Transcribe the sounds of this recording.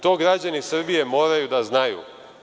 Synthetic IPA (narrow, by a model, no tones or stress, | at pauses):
t̪o̞ːɡɾad͡ʑanisr̩bije̞mo̞ːɾajud̪aznajṵː